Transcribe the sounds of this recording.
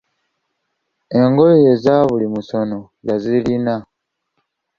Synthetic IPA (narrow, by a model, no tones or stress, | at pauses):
e̞ŋɡojezaβulimuso̞no̞ | jazilina